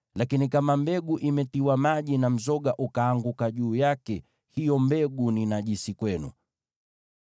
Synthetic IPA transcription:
lakinikamambɛɡuʔimɛtiwamaʄinam̩zɔɠaʔukaːŋɡukaʄuːjakɛ | hijɔmbɛɠuninaʄisikwɛnṵ

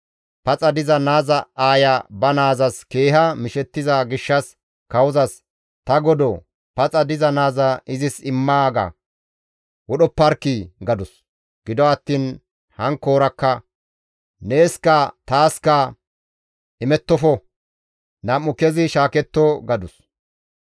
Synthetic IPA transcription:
pɐt͡sʼɐd̪ɪzɐnaːzɐaːjɐbɐnaːzɐske̞ːɦɐmɪʃɛt̪ːɪzɐɡɪʃːɐs | kɐwʊzɐs | t̪ɐɡɔd̪ɔ | pɐt͡sʼɐd̪ɪzɐnaːzɐɪzɪsɪmːaːɡɐ̰ | wɔɗɔpːɐɾkiɡɐd̪ʊs | ɡ̥ɪd̪ɔɐt̪ːiːn | hɐŋko̞ːɾɐkːɐ | ne̞ːskɐt̪aːskɐ | ʔɪmɛt̪ːɔfɔ | nɐmːʊkɛzɪʃaːkɛt̪ːɔɡɐd̪ʊs

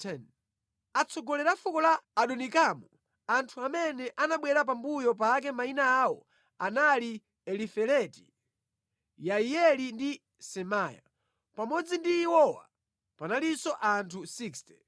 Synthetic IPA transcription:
tʰɛn | at͡sʰɔɡɔlɛɾafukɔlaːɗɔnikamɔ | antʰuamɛnɛʔanaɓwɛɾap̬ambujɔp̬ak̬ɛmainaːwɔ | anali | ɛlifɛlɛti̥ | jaiɛlindi | sɛmaːja̰ | pamɔd͡zindiːwɔwa̰ | panalisɔʔantʰusikstɛ

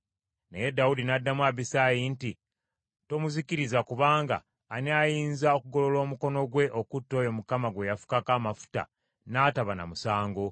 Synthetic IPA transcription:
ne̞je̞daudinadːamwaβisajinti | to̞muzikiɾizakuβaːŋɡa̰ː | niajiːnzao̞kuɡo̞lo̞lo̞ːmuko̞no̞ɡwe̞ʔo̞kutːo̞jo̞mukamaɡwe̞jafu̥kakaːmafu̥ta̰ | naːtaβana̰musaːŋɡo̞

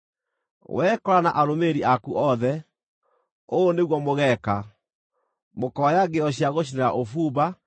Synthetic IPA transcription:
wɛːkɔɾana̰ʔaɾomeɾiʔakuʔɔðɛ | oːneɣwɔmoɣɛka | mokɔajaɡeɔɕjaɣoɕ̬ineɾaʔofuːba

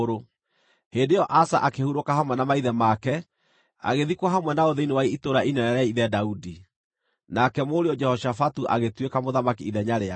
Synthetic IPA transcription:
ɾo | hendejɔʔasaʔakehuɾokahamwɛnamaiðɛmakɛ | a̰ɣeðikwaɦamwɛnaoðeinewaiitoɾainɛɛɾɛiðɛdaudi | nakɛmoɾeɔd͡ʒɛhɔʃafatuʔa̰ɣetwekamoðamakiiðɛɲaɾea

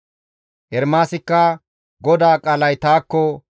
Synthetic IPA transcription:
ʔɛɾmaːsɪkːɐ | ɡɔd̪aːkʼɐlɐjt̪aːkːɔ

